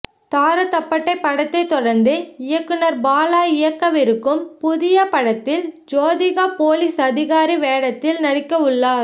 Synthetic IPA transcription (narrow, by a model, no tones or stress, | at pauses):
t̪aːɾɐt̪ːɐpːɐʈːɐɪpːɐɽɐt̪ːɐɪt̪ːɔɽɐɾnd̪ɯɪjɐkːɯnɐɾbaːlaːɪjɐkːɐʋɪɾɯkːɯmpʊðɪjɐpɐɽɐt̪ːɪld͡ʒoːðɪɣaːpoːlisɐðɪɣaːɾiʋeːɽɐt̪ːɪlnɐɽɪkːɐɯɭːaːɾ